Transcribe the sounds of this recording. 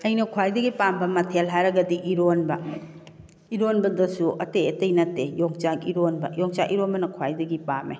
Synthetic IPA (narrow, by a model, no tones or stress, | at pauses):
ɐjnɐkʰwajdɐɡipambɐmɐtʰelɦajɾɐɡɐdiʔiɾonbɐ | iɾonbɐdɐsuɐtejɐtejnɐtːejoŋt͡ʃakiɾonbɐ̰jɔŋt͡ʃaʔiɾonbɐnɐkʰwajdɐɡipamḛ